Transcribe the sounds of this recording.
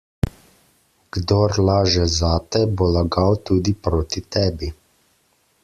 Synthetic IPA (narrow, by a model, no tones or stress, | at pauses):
ɡ̥d̪ɔɾlaːʒɛzaːt̪ɛbolaɡawt̪uːd̪ipɾoːt̪it̪ɛːbi